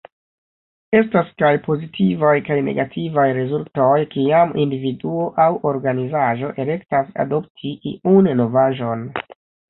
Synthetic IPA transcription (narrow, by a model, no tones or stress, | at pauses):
e̞staskajpo̞zitʰivajkajne̞̰ɡatʰivajɾe̞zulto̞jkiamḭndividuo̞ʔawʔo̞ɾɡanizaʒo̞ʔele̞ktasa̰do̞p̚tʰiʔḭunno̞vaʒo̞n